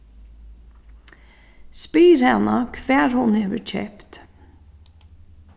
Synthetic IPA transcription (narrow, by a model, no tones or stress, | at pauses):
spiːɾhɛnakʰʋæːɹhʊnɛːʋət͡ʃʰɛ̰pt̪